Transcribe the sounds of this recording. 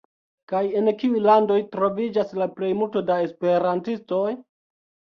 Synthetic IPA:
kaje̞nkiujlando̞jtɾo̞vid͡ʒaslaple̞jmulto̞dae̞spe̞ɾantisto̞j

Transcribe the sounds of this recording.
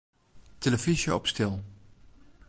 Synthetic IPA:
teləvizəɔpstɪlˠ

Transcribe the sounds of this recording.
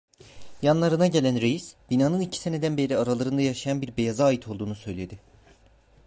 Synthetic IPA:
janlˠaɾɯnaɟe̞lʲænɾejisb̥inaːnɯnicʰi̥se̞ne̞d̪ænbe̞ɾiaɾalˠaɾɯnd̪ajaʃajanbiɾbejazaːjit̪ʰo̞lˠd̪uːnusø̞jlʲe̞d̪ɪ

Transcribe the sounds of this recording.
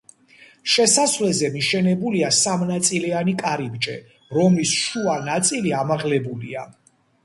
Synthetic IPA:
ʃɛsasvlɛzɛmiʃɛnɛbuliasamnat̪sʼilianikʼaɾibd͡ʒɛ | ɾɔmlisʃuanat̪sʼiliamaʁlɛbulḭa

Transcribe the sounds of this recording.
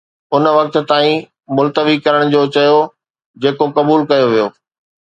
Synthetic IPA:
ʊnʋɐk̚t̪̆t̪aːĩ | mʊlt̪əʋikɐɾəɽ̃d͡ʑoːt͡ɕɐjo | d͡ʑeːkokɐbuːlkɐjoʋijoː

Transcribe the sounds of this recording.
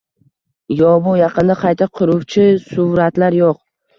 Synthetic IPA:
jɒbʊjɑqɨnd̪aqʰɑjt̪ʰaqʰʊɾʊwt͡ʃʰɪsʊɾat̪laɾjoq

